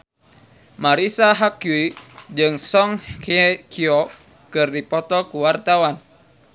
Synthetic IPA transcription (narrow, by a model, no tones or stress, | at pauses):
maɾisaɦakuid͡ʒɨŋsɔŋkʰɛkʰiɔ | kɨrdipɔt̪ɔkuwart̪awan